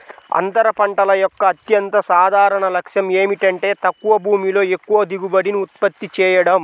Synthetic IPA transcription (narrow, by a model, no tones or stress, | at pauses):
ɐ̰nt̪ɐɾɐpɐɳʈɐlɐjɔkːɐːt̪jɐnt̪ɐsaːd̪ʱaːɾɐɳɐlɐkʂjɐme̞ːmiʈɐɳʈe̞ːt̪ɐkːuʋɐbʱuːmilo̞ːe̞kːuʋɐd̪iɡubɐɽiniut̪̚pɐt̪ːit͡ʃɛːjɐɽɐm